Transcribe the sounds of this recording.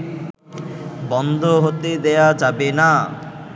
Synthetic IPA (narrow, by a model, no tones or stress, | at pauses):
bɔnd̪ʱoɦot̪ed̪ɛjad͡ʑabena